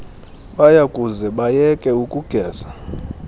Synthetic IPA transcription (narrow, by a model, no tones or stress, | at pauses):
ɓajakʼuzɛɓajɛkʼɛukʼuɡ̥ʱɛːza